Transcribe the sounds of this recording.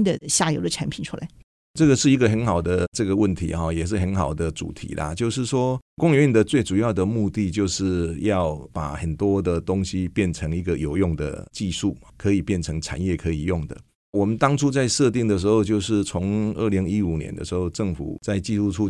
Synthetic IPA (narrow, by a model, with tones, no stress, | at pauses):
nd̪ə˨ɕja˥˩jo˨˩ʊd̪ə˧ʈ͡ʂʰa˧˥npʰi˨˩nʈ͡ʂʰu˥la̰˧˦ɪ | ʈ͡ʂɤ˥˩ɡə˨˩ʂɻ̩˥˩i˧˥ɡə˨˧xə˧˥nxɑ˨˩ʊd̪ə˦ʈ͡ʂɤ˥˩ɡə˩wə˥˩nt̪ʰḭ˨˥xɔ˩jɛ˨˩ʂɻ̩˥˩xə˧˥nxɑ˨˩ʊd̪ə˦ʈ͡ʂṵ˨˩t̪ʰḭ˨˥lʔɐ̰˨t͡ɕjo˥˧ʊʂ̬ɻ̩˥˩ʂwɔ˥kʊ˥ŋy˧˥˩nd̪ə˩t͡swe˥˩ʈ͡ʂu˨˩jɑ˥˩ʊd̪ə˩mu˥˧t̪i˥˧t͡ɕjo˥˧ʊʂɻ̩˥˩jɑ˥˩ʊpa̰˨˩xə˨˩nt̪wɔ˥d̪ə˨t̪ʊ˥ŋɕi˧pjɛ˥˩nʈ͡ʂʰɤ˧˥ŋi˧˥ɡə˨jo˨˩ʊjʊ˥˩ŋd̪ə̰˩t͡ɕi˥˧ʂu˥˩ | kʰɤ˧˥i˨˩pjɛ˥˩nʈ͡ʂʰɤ˧˥ŋʈ͡ʂʰa̰˨˩njɛ˥˩kʰɤ˧˥i˨˩jʊ˥˩ŋd̪ə̰˩ | wɔ˨˩mə˦nt̪ɑ˥ŋʈ͡ʂʰu˥t͡sa˥˧ɪʂɤ˥˧t̪i˥˩ŋd̪ə˩ʂ̬ɻ̩˧˥xo˧ʊt͡ɕjo˥˧ʊʂɻ̩˥˩t͡sʰʊ˧˥ŋə̰˥˩li˧˥ŋi˦˥u˨˩njɛ̰˧˦nd̪ə̰˧ʂɻ̩˧˥xo˥˧ʊʈ͡ʂɤ˥˩ŋfṵ˨˩t͡sa˥˧ɪt͡ɕi˥˧su˥˧ʈ͡ʂʰu˥